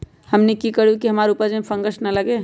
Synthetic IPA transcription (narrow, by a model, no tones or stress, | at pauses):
həmnekikəɾukiɦəmaːɾupəd͡ʒẽpʰə̃ŋɡəsnɐləɡeː